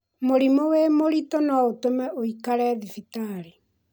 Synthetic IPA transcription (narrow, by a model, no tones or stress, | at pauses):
moɾimowemoɾitonwaotomɛoikaɾɛðifitaɾi